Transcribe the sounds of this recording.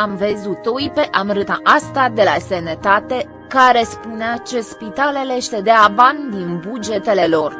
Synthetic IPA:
amve̞zut̪ojpe̞ʔamɾɨt̪aʔast̪ad̪e̞lasenet̪at̪e̞ | kaɾe̞spuneat͡ʃe̞spit̪aleleʃt̪e̞d̪eavand̪inbud͡ʒe̞t̪e̞le̞lo̞r

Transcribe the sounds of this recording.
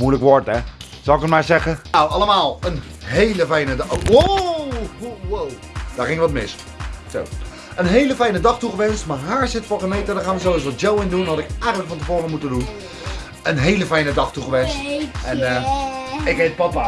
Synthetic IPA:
mujləkʋɔɹtɛ | sɑlˠɪkətmaːɹzɛχənawʔɑləmaːlˠən | ɦejləfɛjnədo | wow | d̥aːɹχɪŋəʋɔtmɪs | so̰w | ənɦejləfɛjnədɑχtuχəʋɛnstmaːɹɦaːɹsɪtfɔlˠkəmejtədəχaːnʋəsowɪsʋɔjowɪndunɦɑtɪkɛjχənləkfɔntəfoːrəmutədun | ənɦejləfɛjnədɑχtuχəʋɛnsttɛnə | ɪkɦet̚pɔt̚a

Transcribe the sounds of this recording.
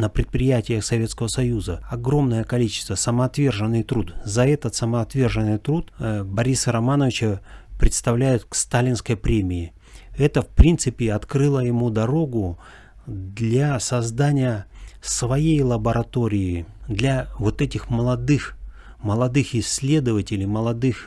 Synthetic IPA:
nəpɾʲɪt̪̚pɾʲɪjætʲɪjəxsɐvʲetskəvəsɐjuzəɐɡɾo̞mnəjəkɐlʲit͡ɕɪ̥st̪vəsəməːt̪vʲe̞rʐɨnːɨjt̪ɾut̪zɐɛt̪ət̪səməːt̪vʲe̞rʐɨnːɨjt̪ɾut̪bɐɾʲisəɾɐmanəvʲɪt͡ɕəpɾʲɪt̪st̪ɐvlʲæjʊt̪̚kst̪alʲɪnskəjpɾʲemʲɪɪ | ɛt̪əfpɾʲint̪sɨpʲɪɐt̪kɾɨlˠəjɪmud̪ɐɾo̞ɡʊ | d̪lʲasɐzd̪anʲɪjəsvɐjejlˠəbəɾɐt̪o̞ɾʲɪɪd̪lʲavo̞t̪ɛtʲɪxməlˠɐd̪ɨx | məlˠɐd̪ɨxɪsʲːlʲe̞d̪əvətʲɪlʲɪjməlˠɐd̪ɨx

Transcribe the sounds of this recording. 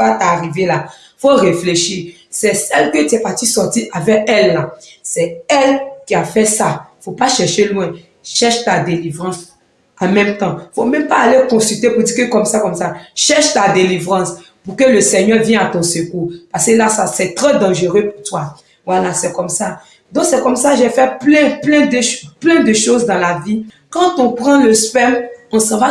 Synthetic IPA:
at̪aːʁivela | foʁefleʃi | sɛsɛlkət̪yɛpat̪isɔʁt̪iʔavɛkɛlːasɛɛlkʲiafɛsaifopaʃɛʁʃelw̃ɛ̃ | ʃɛʃt̪ad̪elivʁɑ̃s | ãmɛ̃mt̪ɑ̃ifomɛ̃mpaːlekɔ̃syt̪epud̪ikəkɔmsakɔmsaʃɛʁʃt̪ad̪elivʁɑ̃s | pukøləsɛɲœʁvjɛ̃at̪ɔ̃sekupaʁskelasasɛt̪ʁɛd̪ɑ̃ʒeʁøpuʁt̪wa | vwalasɛkɔmsa | d̪ɔ̃ksɛkɔmsaʒefɛplɛ̃plɛ̃d̪ʃplɛ̃d̪əʃozd̪ɑ̃lavi | kɑ̃t̪ɔ̃pʁɑ̃ləspɛmɔ̃sɑ̃va

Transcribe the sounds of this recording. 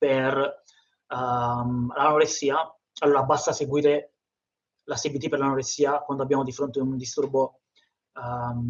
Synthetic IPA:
per | mlanoɾesːiːa | alːoːɾabast̪aseɡwiːɾe | lasibit̪iperlanoɾesːiːakwand̪oabːjaːmod̪ifɾont̪eund̪ist̪urbo

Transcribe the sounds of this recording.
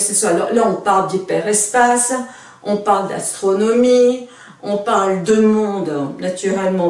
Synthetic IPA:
səswalɔ̰ʁlaɔ̃paʁld̪ipɛʁɛspas | ɔ̃paʁld̪a̰st̪χɔnɔmi | ɔ̃paʁld̪əmɔ̃d̪nat̪yʁɛlmɑ̃

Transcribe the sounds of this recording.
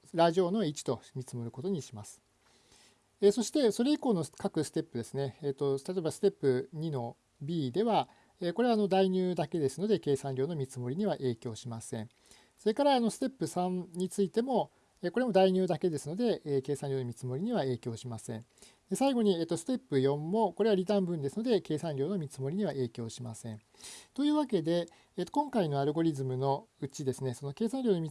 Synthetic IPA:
ɾaʑio̞ːno̞it͡ɕi̥t̪o̞mʲit͡sɨmo̞ɾɯ̟ko̞t̪o̞ɲ̟iɕimasɨ̥ | eso̞ɕi̥t̪e̞so̞ɾe̞iko̞ːno̞kakɯ̟sɨ̥t̪e̞pːɯ̟d̪e̞sɨne̞ːt̪ːo̞t̪at̪oebasɨ̥t̪e̞pːɯ̟ɲ̟ino̞ | bʲiːd̪e̞βa | eːko̞ɾe̞βano̞d̪aiɲ̟ʲɨːd̪ake̞d̪e̞sɨno̞d̪e̞ke̞ːsãnɾʲoːno̞mʲit͡sɨmo̞ɾʲiɲ̟iβaʔe̞ːkʲo̞ːɕimasẽ̞ɴ | so̞ɾe̞kaɾaːno̞sɨ̥t̪e̞pːɯ̟sãnɲ̟it͡sɨit̪e̞mo̞ | eko̞ɾe̞mo̞d̪aiɲ̟ɨːd̪ake̞d̪e̞sɨno̞d̪e̞ʔke̞ːsãnɾʲo̞ːno̞mʲit͡sɨmo̞ɾʲiɲ̟iβ̞ae̞ːkʲo̞ːɕimasẽ̞̰ɴ | d̪e̞saiɡo̞ɲ̟iet̪ːosɨ̥t̪e̞pːɯ̟jõ̞mːo̞ko̞ɾe̞βaɾʲid̪ãmbɯ̟̃nd̪e̞sɨnod̪e̞ke̞ːsãnɾʲo̞ːno̞mʲit͡sɨmo̞ɾʲiɲ̟iβaʔe̞ːkʲo̞ːɕimasẽ̞̰ɴ | t̪o̞jɯ̟ːβake̞d̪e̞ | et̪ːo̞kõ̞ŋkaino̞aɾɯ̟ɡo̞ɾʲizɨmɯ̟no̞ɯt͡ɕid̪e̞sɨne̞so̞no̞ke̞ːsãnɾʲo̞ːno̞mʲi

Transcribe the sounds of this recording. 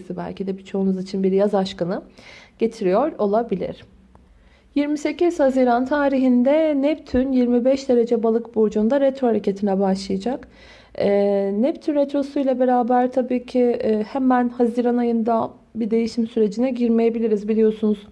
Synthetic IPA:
sibæ̰lʲcʰid̪ɛbit͡ʃʰo̞unuzit͡ʃʰinbiɾjazaʃkanɯɟ̥e̞t̪ʰiɾijoɾo̞lˠabilʲḭɾ̥ | jiɾmise̞ciz̥haziːɾant̪ʰaːɾiɦind̪ɛnɛpt̪ʰynjiɾmibɛʃd̪e̞ɾe̞d͡ʒɛbalˠɯkbod͡ʒund̪aɾet̪ɾohaɾecʰe̞t̪ʰinɛbaʃlˠɯjad͡ʒak | ɛːnɛpt̪ʰynɾet̪ɾo̞sujlʲˠabe̞ɾaːbæɾt̪ʰabiːcʰihɛmænhaziːɾanajɯnd̪a | bid̪e̞jiʃimsyɾe̞d͡ʒinɛɟiɾme̞je̞bilʲiɾizbilʲijo̞sunuz̥

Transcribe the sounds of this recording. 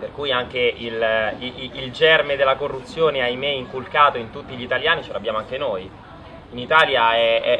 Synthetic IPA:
perkujaŋk̟eil | ild͡ʒɛrmed̪elːakorːut̪sːjoːneajmeiŋkulkaːt̪oint̪ut̪ːiʎit̪aljaːnit͡ʃelabjaːmoaŋk̟enoj | init̪aːljaɛɛ

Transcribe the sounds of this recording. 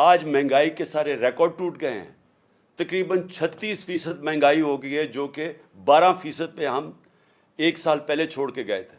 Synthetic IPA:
aːd͡ʒmɛ̃ːŋɡaːikesaːɾeɾɛːkɔːɾɖ̚ʈuːʈɡɐḛɦɛ̰̃ | t̪ɐkɾiːbənt͡ʃʰɐt̪ːiːsfiːsəd̪mɛ̃ːŋɡaːiɦoɡied͡ʒoːke | baːɾãfiːsəd̪̚pẽɦɐm | eːksaːlpɛɦlet͡ʃʰoːɽkeɡɐḛt̪ʰe̥ː

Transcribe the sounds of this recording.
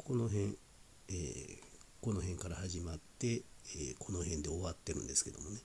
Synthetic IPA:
ko̞no̞ɦẽ̞ | ḛ | ko̞noɦẽ̞ŋkaɾahaʑimat̪ːe̞eko̞no̞hẽnd̪e̞oβat̪ːe̞ɾɯ̟̰̃nd̪e̞sɨ̥ke̞d̪o̞mo̞ne

